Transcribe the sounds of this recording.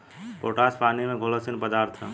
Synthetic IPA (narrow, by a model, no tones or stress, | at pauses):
poʈaspanimeɡʱoləsinpəd̪aɾt̪ʰɦə